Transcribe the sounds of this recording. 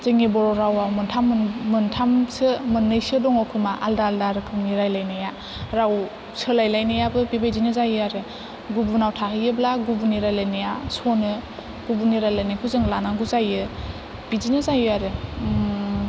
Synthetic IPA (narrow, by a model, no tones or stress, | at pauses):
zɯŋibɔɾoɾawawmɯntʰammɯntʰamsɯmɯnːɯjsɯdɔŋɔkʰumaʔaldaːldaɾɯkʰɯŋniɾajlajnaja | ɾaw | sɯlajlajnɯjabɯpibajzinɯzajɯaɾɯ | ɡubunawtʰaɦɯjɯblaɡubuniɾajlajnɯjasonɯ | ɡ̥ubuniɾajlajnakʰuzɯŋlanaɡuzajɯ | pizinɯzajɯaɾɯ